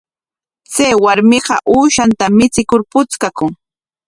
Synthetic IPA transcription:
t͡sajwaɾmɪɢɑʔuːʃant̪amɪt͡sɪkʊɾpʊt͡skakʊŋ

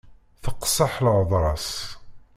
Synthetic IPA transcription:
θəqsɑħləʕðˤɾˤɑs

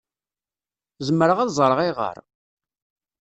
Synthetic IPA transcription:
zəmːəɾəʁæðzˤɾəʁiʁə̰ɾˤ

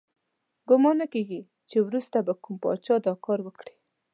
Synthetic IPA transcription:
ɡʊmɑnakeɡi | t͡ʃewɾust̪abakumpɑ̰t͡ʃɑd̪ɑkɑɾwəkɽi̥

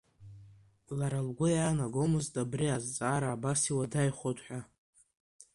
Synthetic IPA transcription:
laɾalɡʷʊjaːnaɡomɨztʼabriazt͡sʼaːɾaːbasiwadajχʷotʼħʷᶣa

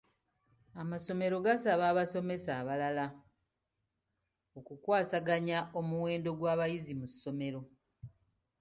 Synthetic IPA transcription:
amaso̞me̞ɾo̞ɡasaβaːβaso̞me̞saːβalala | o̞kukwaːsaɡaɲaʔomuwe̞ːndo̞ɡwaːβajizimusːo̞me̞ɾo̞

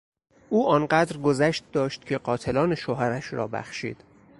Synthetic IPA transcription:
ʔuːɒːnɢæd̪ɾɡozæʃt̪̚d̪ɒːʃt̪̚cʰeɢɒːt̪ʰelɒːneʃoɦæɾæʃɾɒ̰ːbæ̰xʃḭːd̪̥

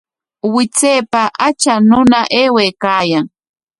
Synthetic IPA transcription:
wɪt͡seːpaʔat͡ʃanʊnaʔeːweːkaːjaŋ

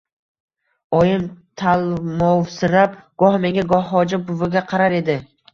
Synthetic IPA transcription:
ɒjɪmt̪ʰalˠmɒwsɪnap̚ɡ̥ɒhme̞ŋʲaɡɒhːɒd͡ʒabʊvɪɡʲaqʰɑɾaɾe̞d̪ɪ

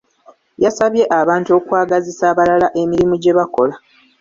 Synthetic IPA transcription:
jasaβje̞ʔaβaːntuo̞kwaːɡazisaβalalaʔe̞miɾimuɟe̞βako̞̰la

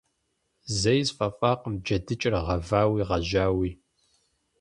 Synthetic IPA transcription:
zɐjzfʼɐfʼaːqəmd͡ʒɐdɨt͡ʃʼɪrʁɐvaːwiːʁɐʒaːwiː

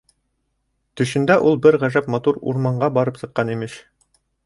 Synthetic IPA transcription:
t̪ɵ̆ʃɘ̆nd̪æʔulˠbɘɾʁæʒæpmɑt̪uɾṵɾmɑɴɢɑbɑɾɤpsɤ̆qːɑnimɘʃ

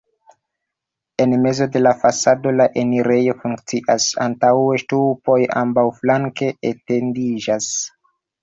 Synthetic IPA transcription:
e̞nme̞zo̞de̞lafasado̞laʔe̞niɾejo̞fuŋkt͡siʔa̰sa̰ntawe̞stupo̞ja̰mbawflaŋke̞etendid͡ʒas

